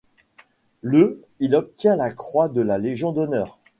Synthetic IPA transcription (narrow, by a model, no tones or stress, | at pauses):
lø | ilɔp̚t̪jɛ̃lakχwad̪əlaleʒjɔ̃d̪ɔnœːʁ